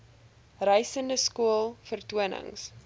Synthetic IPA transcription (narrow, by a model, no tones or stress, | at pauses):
rəjsəndəskuəlˠfərtuənə̰ŋs